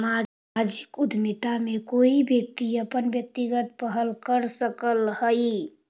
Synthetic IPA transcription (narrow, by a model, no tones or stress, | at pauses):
ma | d͡ʒɪkʊd̪ʱmit̪amẽkoːibjək̚t̪iəpənbjək̚t̪iɡət̪̚pəɦəlkəɾsəkəlhəi